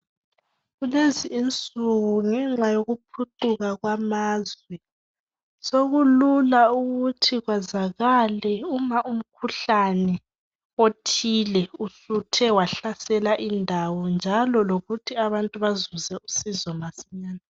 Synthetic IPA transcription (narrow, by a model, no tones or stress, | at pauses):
ɣuleziːnt͡sʼuɣuŋɛŋ͡ǁajoɣupʰuǃuɣaɣwamaːzwɛ | soɣululauɣutʰiɣwazaɣalɛumaʔum̩kʰuɬanɛ | otʰilɛusutʰɛwaɬasɛlaʔindʱawɔnd͡ʒʱalɔloɣutʰiaβantʼuβazuzɛusizɔmasiɲaːna